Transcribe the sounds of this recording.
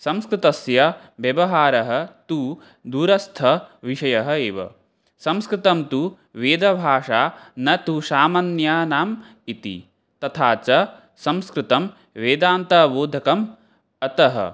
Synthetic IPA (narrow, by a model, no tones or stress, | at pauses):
sɐmskɾɪt̪ɐsjɐ | ʋjɐʋɐɦaːɾɐɦɐ̆t̪uː | d̪uːɾɐst̪ʰɐʋiʂɐjɐɦɐeːʋɐ̰ | sɐmskɾɪt̪ɐmt̪u | ʋeːd̪ɐbʱaːʂaːnɐt̪uʃaːmɐnjaːnaːm | it̪ḭ | t̪ɐt̪ʰaːt͡ʃɐ | sɐmskɾɪt̪ɐm | ʋeːd̪aːnt̪ɐboːd̪ʱɐkɐm | ɐt̪ɐɦɐ̰